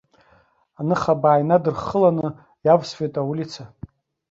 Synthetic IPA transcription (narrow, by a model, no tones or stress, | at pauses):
anɨχabaːjnadɨrχəlanɨ | javsfejtʼawulit͡sʰa